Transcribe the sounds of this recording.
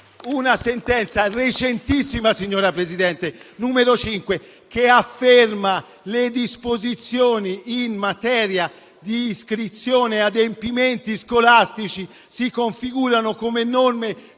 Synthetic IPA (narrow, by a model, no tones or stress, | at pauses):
unasent̪ɛnt̪saret͡ʃent̪isːimasiɲːoːɾapɾezid̪ɛnt̪enuːmeɾot͡ʃiŋkwe | keafːerma | led̪ispozit̪sːjoːniːnmat̪ɛːɾja | d̪iːskɾit̪sːjoːnead̪empiment̪iskolast̪it͡ʃi | sikoɱfiɡuːɾanokomenɔrme